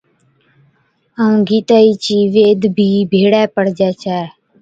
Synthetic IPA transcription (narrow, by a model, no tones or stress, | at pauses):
ə̃ɡiːt̪aːiːt͡ʃiːʋeːd̪bʱiːbʱeːɽɛːpəɽd͡ʒɛːt͡ʃʰɛː